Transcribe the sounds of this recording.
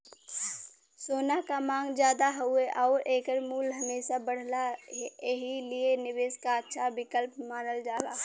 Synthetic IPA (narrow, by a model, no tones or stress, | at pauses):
soːnakamaːŋɡd͡ʒjaːd̪aɦʊeʔaːɾʔeːkəɾmuːlɦɐmeːsabəɽ̤laeɦilienɪʋeːskaətːʃʰabɪkəlpmaːnəld͡ʒaːlaː